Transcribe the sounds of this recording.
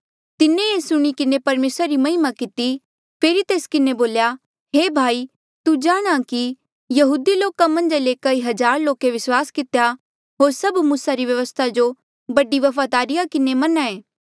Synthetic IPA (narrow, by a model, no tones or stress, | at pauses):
t̪ɪneesʊɽ̃ikɪnepɐɾmeːsɾaɾimɐɦɪmakɪt̪i | pʰeːɾit̪eːskɪneboːlja | ɦeːbʱaːiː | t̪ud͡ʒaːɽ̃aki | jɐɦuːd̪iloːkamɐ̃nd͡ʒlekɐiɦɐd͡ʒaːɾloːkeʋɪswaːskɪt̪eja | ɦoːɾsɐbmuːsaɾiʋjɐʋəst̪ʰad͡ʒo | bɐɖiʋɐfʰad̪aːɾɪjakɪnemɐnãeː